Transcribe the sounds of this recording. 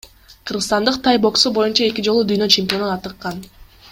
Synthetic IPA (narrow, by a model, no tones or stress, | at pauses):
qʰɯɾʁɯst̪ɑnd̪ɯq̚t̪ʰɑjbo̞ksubo̞junt͡ʃɑe̞kʲid͡ʒo̞lˠud̪yjnø̞t͡ʃempʲijo̞nunɑt̪ɯqːɑn